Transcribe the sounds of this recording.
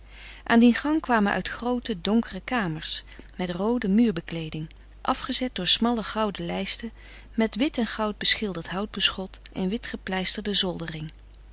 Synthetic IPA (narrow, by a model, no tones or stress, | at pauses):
ʔaːndinχɑŋkʋaːmənʔœ̰ɥtχrowtədɔŋkərəkaːməɹsmɛtrowdəmyːɹbəklejdɪŋ | ʔɑfχəzɛt̚dʊːɹsmɑləχɑwdəlɛjstə | mɛtʋɪtɛnχɑwd̚bəsχɪlˠdəɹtɦɑwd̚bəsχɔtʔɛ̰nʋɪtχəplɛjstəɹdəzɔlˠdərɪŋ